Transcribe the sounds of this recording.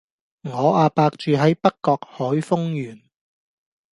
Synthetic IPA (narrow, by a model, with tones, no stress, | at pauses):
ŋɔː˨˧aː˧paː˧k̚t͡ʃyː˨ɦɐ˨˥jpɐ˥kkːɔː˧k̚hɔː˨˥jfʊ˥ŋjyː˨˩n